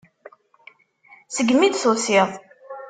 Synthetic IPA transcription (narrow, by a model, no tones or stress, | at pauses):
səɡːmid̪sosiðˤ